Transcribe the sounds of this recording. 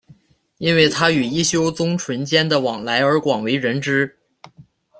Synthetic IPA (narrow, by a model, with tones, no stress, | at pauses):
i˥nwe˥˩ɪt̪ʰa˥y˨˩i˥˩ɕjo˥ʊt͡sʊ˥ŋʈ͡ʂʰwə˧˥nt͡ɕjɛ˥nd̪ə˨wɑ˨˩ŋla˧˥ɪə˞˧˥kwɑ˨˩ŋwe˧˥ɪɻə˧˥nʈ͡ʂɻ̩˥